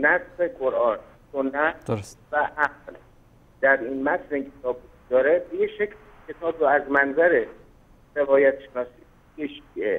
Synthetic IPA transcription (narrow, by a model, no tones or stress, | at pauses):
næzzeqo̞ɾʔɒːn | sonːæt̪dsvæʔæɡl | d̪̥æɾinmæt̪ʰleiŋcʰet̪ʰɒːbukʰd̪ɒːɾebejeʃecʰlikʲʰe̞t̪ʰɒːbɾoæzmænzæɾe | ɾe̞vɒːjæt̪ʃenɒːsiː | ɡeʃiḛ